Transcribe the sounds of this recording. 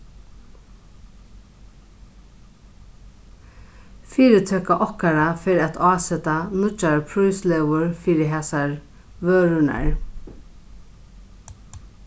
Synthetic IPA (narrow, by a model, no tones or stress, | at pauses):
fiːɾɪt̪ʰœːkaʔɔhkaɾafɪɾat̪ʰɑːsɛt̪anʊt͡ʃːaɹpʰɹujslɛʋʊɹfiːɾɪɦɛːsaɹ | ʋøːɹʊna̰ɹ